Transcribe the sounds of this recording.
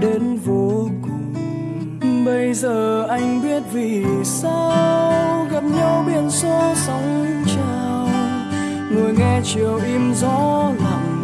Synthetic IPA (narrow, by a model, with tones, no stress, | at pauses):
ɗe˨˦nvo˨˦k | ɓə˧jzəː˨˩ʔa˧jŋ̟ɓi˦˥ət̚vi˨˩sa˧wɣa˨˩p̚ɲa˧wɓi˧˩ənsɔ˧˦sə˨˦wŋ͡mt͡ɕaː˧˩˨ | w | ŋɨ˨˩əjŋɛ˧t͡ɕi˨əwʔi˧mzɔ˧˥la̰˨